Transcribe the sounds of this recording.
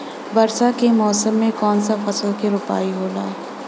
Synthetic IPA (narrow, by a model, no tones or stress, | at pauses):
bɐɾsakemɔːsəmːẽkɔːnsafɐslkeɾʊpa̰ːiɦoːlaː